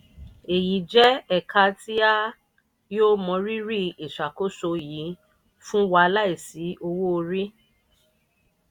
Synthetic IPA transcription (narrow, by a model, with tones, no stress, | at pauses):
e˨ji˨d͡ʒɛ˦ɛ˦˨ka˧ti˦a˦ | joː˦mɔ̃˧ɾi˦ɾi˦e˨ʃa˨ko˦so˧ji˨˦ | fũ˦wa˧la˦i˦˨si˨˦ʔo˧wo˦o˧ɾi˦